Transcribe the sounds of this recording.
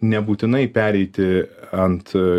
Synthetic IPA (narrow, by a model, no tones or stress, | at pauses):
nʲɛbuːt̪ʲɪnɐɪpʲæːɾʲɛɪt̪ʲɪɐnt̪